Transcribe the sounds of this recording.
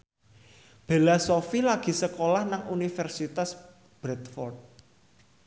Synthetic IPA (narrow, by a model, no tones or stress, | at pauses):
b̥e̤lasofilaɡ̥i̤səkolahnaŋunifɛrsit̪as | b̥ɾɛt̪fɔrt̪̚